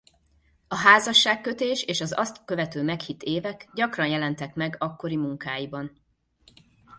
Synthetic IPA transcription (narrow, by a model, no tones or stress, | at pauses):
ɒɦaːzɒʃːaːkːø̞t̪eːʃeːʃɒzɒst̪kø̞vɛt̪øːmɛkhit̪eːvɛkɟɒkrɒnjɛlɛnt̪ɛkmɛɡɒkːo̞ɾimuŋkaːjibɒn